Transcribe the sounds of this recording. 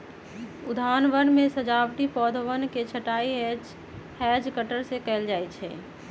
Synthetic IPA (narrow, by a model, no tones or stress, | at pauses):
ʊd̪ʱaːnʋənmesəd͡ʒaʋʈipɔːd̪ʱʋənket͡ʃʰəʈaiɦɛd͡ʒ | hɛd͡ʒkəʈəɾsekɛld͡ʒaɛt͡ʃʰɛ̰